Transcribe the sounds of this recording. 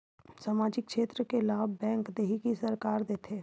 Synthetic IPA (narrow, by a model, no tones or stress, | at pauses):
saːmaːd͡ʒɪk̚kʃeːt̪ɾəkelaːbbɛ̃ːŋkd̪eːɦikisɐɾkaːɾd̪eːt̪ʰeː